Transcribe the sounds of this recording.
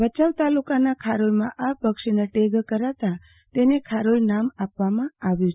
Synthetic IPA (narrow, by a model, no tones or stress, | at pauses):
bət͡ʃaʋt̪alukanakʰaɾolmãʔapəkʃineʈeɡkəɾat̪a | t̪enekʰaɾolnamapʋamãaʋjũt͡ʃʰ